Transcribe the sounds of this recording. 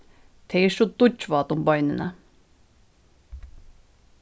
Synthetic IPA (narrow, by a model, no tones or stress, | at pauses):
t̪ʰeɪʃɔd̪ʊt͡ʃʋɑːt̪ʊmbɑʏnənə